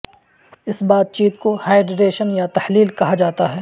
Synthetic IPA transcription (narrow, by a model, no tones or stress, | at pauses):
ɪsbaːd̪̚t͡ʃiːt̪̚kohaːɪɖɾeːʃənjat̪ɐhliːlkɐɦad͡ʒaːt̪aɦɛː